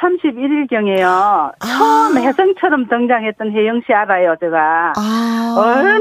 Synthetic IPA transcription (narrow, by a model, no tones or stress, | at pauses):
sʰamɕʰibiɾiɭkjʌŋe̞jot͡ɕʰʌmhe̞sʰʌŋt͡ɕʰʌɾʌmtʌŋd͡ʑaŋɦe̞t̚t͈ʌnɦejɯŋɕʰiaɾajot͡ɕeɡa | ʌ